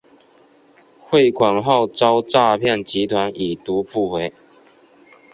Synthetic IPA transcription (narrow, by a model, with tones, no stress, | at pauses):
xwe˥˨ɪkʰwa˨˩nɦa˥˨ʊt͡sɑ˦ʊt͡sa˥˧pʰjɛ˥˨nt͡ɕi˨˦t̪ʰwa˧˦ni˨˩t̪u˨˦fu˥˧we˨˧˦ɪ